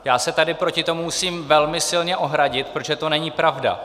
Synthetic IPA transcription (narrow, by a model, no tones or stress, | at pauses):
jaːsɛt̪adɪpɾocɪt̪o̞mumusiːmvɛlmɪsɪlɲɛʔo̞ɦɾaɟɪt̪̚pɾoʒɛt̪o̞nɛɲiːpɾavda̰